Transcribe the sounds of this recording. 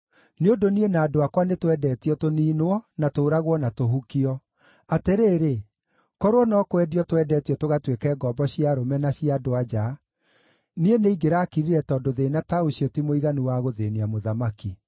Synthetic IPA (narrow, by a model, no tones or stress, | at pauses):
neondonienaːdoakwanetwɛdɛːtiɔtoniːnoɔnatoːɾaɣwɔnatoɦukiɔ | ateɾeːɾe | kɔɾoɔnɔkowɛdiɔtoɛdɛːtijɔtoɣatwekɛːɡɔːbɔɕiaɾomɛnaɕiadoad͡ʒa | nieneiɡeɾaːkiɾiɾɛtɔdoðenataoɕiɔtimoiɣanuwaɣoðeniamoðamaki